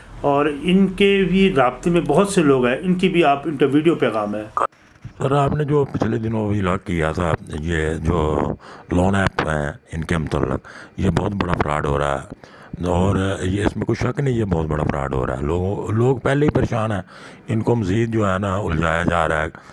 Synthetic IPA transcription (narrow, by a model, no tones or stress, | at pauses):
ɔːɾɪnkebʱiɾaːb̚t̪emẽbɔɦʊt̪seloːɡɦɛɪnkibʱiaːpɪnkaʋiːɖijopɛːɣaːmɦɛː | səɾaːpned͡ʒoːpɪt͡ʃʰled̪ɪnõbʱiləkːijat̪ʰaːjeːd͡ʒoːlɔːnɛːpɦɛ̰̃ɪnkemʊt̪ə̰lːə̰kjeːbɔːt̪bɐɽapʰɾa̰ːɖɦoːɾa̰ːɦɛ̰ː | ɔːɾjeɪsmẽkʊʃəknĩjebɔːt̪̚bəɽa̰pʰɾa̰ːɖɦo̰ːɾa̰ːɦɛ̰loːɡõloːɡpɛːleipəɾeːʃaːnɦɛː | ɪnkoməziːd̪̚d͡ʒoːɦɛːnaʊld͡ʒaːjad͡ʒaːɾaɛ